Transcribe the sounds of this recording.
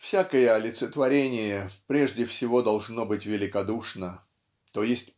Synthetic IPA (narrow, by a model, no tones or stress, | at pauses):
fsʲakəjəɐlʲɪt̪sət̪vɐɾʲenʲɪjəpɾʲeʐdʲɪfsʲɪvo̞d̪ɐlˠʐno̞bɨtʲvʲɪlʲɪkɐd̪uʂnə | t̪ojesʲtʲ